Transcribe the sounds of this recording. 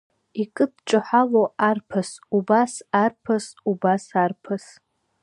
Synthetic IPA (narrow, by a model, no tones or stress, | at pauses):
ikʼɨdʈ͡ʂʼɨħaloarpʰasubasarpʰasubasarpʰas